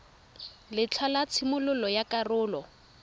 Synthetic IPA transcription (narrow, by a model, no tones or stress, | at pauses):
lɪt͡ɬʰalat͡sʰɪmʊlʊlɔjakʼarʊːlɔ